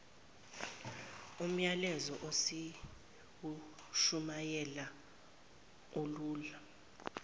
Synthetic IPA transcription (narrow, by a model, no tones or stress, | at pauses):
um̩jalɛzɔʔosi | wuʃumajɛla | oluːla